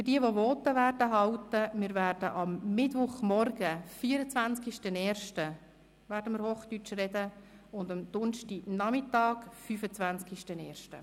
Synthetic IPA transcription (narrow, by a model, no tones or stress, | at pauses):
fʏdiəʋoʋɔːt̪əʋæːrdəɦɑwt̪əmɪːɾvæːrd̥ə̰ʔɑmːɪtʋʊχmɔrɡəfiːəɾət͡sʋænskiʃtənɛːɾʃtə | ʋæːɾd̥əmɪɾhoːχt̪yt͡ʃrɛd̪ə | ʊnd̪ɑmd̪̥ʊnʃtinɑmɪtɑːɡfyfət͡sʋænt͡skiʃtənɛːɾʃtə̰